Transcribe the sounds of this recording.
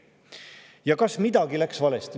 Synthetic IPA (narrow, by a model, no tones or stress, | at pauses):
jɑkɑsmid̪̥ɑɡilæksvɑle̞st̪i